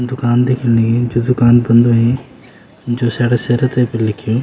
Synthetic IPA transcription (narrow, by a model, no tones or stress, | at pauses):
d̪ʊkaːnd̪ekʰɪniɡed͡ʒoːd̪ʊkaːnbɐ̃nd̪ũɦẽ | d͡ʒoːsaːɽeseɾət̪epelɪkʰijo